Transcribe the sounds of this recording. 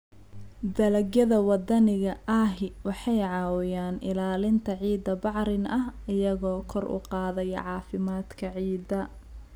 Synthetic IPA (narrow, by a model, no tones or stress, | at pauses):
d̪ɐlɐɡjɐðɐwɑd̪ɐnɪɣɐʔɐːɦɪwɑħɑjʕɑːwɪjaːnʔɪlaːlɪnt̪ʰɐʕiːd̪ɐbɑʕɾɪnɐɦɪjɐɣɔːkʰɔrʊ̰qɑːðɛjʕɑːfɪmaːd̪kʰɐʕiːd̪ɐ